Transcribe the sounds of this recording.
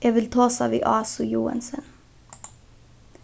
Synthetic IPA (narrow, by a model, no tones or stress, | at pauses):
jæʋɪlt̪ʰɑːsɑːʋḭːʔɑːsʊjuːɑ̰nsən